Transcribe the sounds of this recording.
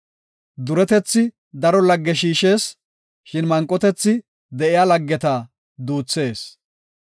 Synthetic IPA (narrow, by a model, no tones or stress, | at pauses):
d̪ʊɾɛt̪ɛt͡sːɪ | d̪ɐɾɔlɐɡːɛʃiːʃe̞ːs | ʃɪnmɐŋkʼːɔt̪ɛt͡sːɪ | d̪ɛʔɪjaːlɐɡːɛt̪aː | d̪uːt͡sːe̞ːs